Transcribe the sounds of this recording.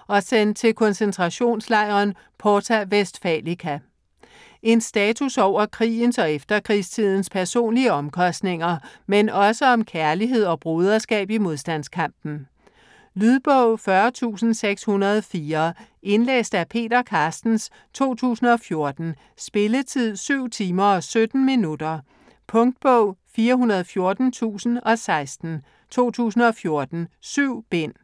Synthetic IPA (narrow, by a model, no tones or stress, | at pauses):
ɒ̽sen̰d̥̚t͡sʰe̝lkʰɒ̽nsent͡sʰʁɑ̈ɕo̝̰ːnslɑ̈ɪ̰ʁɐn | pʰɒt͡sʰæʋesd̥fɛlikʰæ | e̝nsd̥ɛːt͡sʰusɒʊ̰ɐkʰʁḭːn̩sɒ̽efd̥ɐkʰʁist͡sʰið̞̰ˠn̩spʰæɐso̝̰ːnliəɒ̽mkʰɒ̽sd̥ne̝ŋɐmenɒ̽səɒ̽mkʰæɐliɦe̝ð̰ˠɒ̽b̥ʁuːð̞ˠɐsɡ̥ɛ̰ːb̥imo̝ð̞ˠsd̥æn̰skʰɑ̈m̰b̥n̩ | lyðˠb̥ɔʊ̰fɶɐt͡sʰṵːsn̩seɡ̥shunɐð̞ˠfiːɐ | e̝nlḛːsd̥æpʰe̝̰ːdɐkʰɑ̈ːsd̥n̩s | t͡sʰo̝̰ːt͡sʰṵːsn̩ɒ̽fjo̝ɐd̥n̩ | sb̥e̝lət͡sʰið̰ˠsyʊ̰t͡sʰiːmɐɒ̽sød̥n̩minud̥ɐ | pʰɔ̽ŋd̥̚b̥ɔʊ̰fiːɐɦunɐð̞ˠfjo̝ɐd̥n̩t͡sʰṵːsn̩ɒ̽sɑ̈ɪsd̥n̩ | t͡sʰo̝̰ːt͡sʰṵːsn̩ɒ̽fjo̝ɐd̥n̩syʊ̰b̥en̰